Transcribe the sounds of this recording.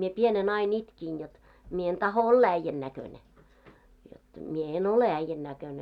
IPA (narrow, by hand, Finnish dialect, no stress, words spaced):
mie pienen ɑin itkin jot mie en tɑho olːɑ æĭjːæn nækøne jot mie en ole æĭjːæn nækøne